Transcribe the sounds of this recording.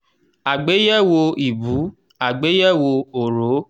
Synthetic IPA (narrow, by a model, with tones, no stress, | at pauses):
a˨ɡ͡be˨˦jɛ˦˨wo˧i˨bu˨˦ | a˨ɡ͡be˨˦jɛ˦˨wo˧o˨ɾo˨˦